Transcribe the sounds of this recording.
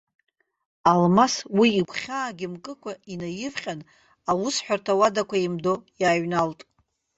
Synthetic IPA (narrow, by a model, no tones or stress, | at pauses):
almaswiːkʷʰʼχʲaːɡʲɪmkʼɨkʷʰainajɪvχʲʼan | awʊsħʷᶣartʰawadakʷʰaimdojaːɥnaltʼ